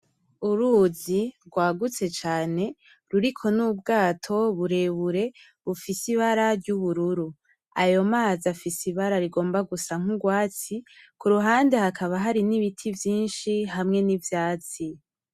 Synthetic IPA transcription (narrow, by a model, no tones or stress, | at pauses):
uɾuziɾɡwaːɡut͡se̞t͡ʃaːne̞ | ɾuɾikʰo̞nubɡaːtʰo̞βuɾe̞ːβuɾe̞ | βufisiβaɾaɾɟuβuɾuɾu | a̰jo̞maːzafisiβaɾaɾiɡo̞ːmbaɡusaŋ̥uɡwaːt͡sikuɾuɦaːnde̞hakaβaɦaɾiniβitʰivjiːnʃiɦamŋe̞nivjaːt͡si